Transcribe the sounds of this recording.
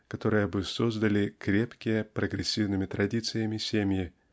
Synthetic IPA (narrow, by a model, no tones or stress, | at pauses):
kɐt̪o̞ɾɨjəbɨso̞zd̪əlʲɪkɾʲe̞pkʲɪjəpɾəɡɾʲɪsʲːivnɨmʲɪt̪ɾʔɐdʲit̪sɨjəmʲɪsʲemʲjɪ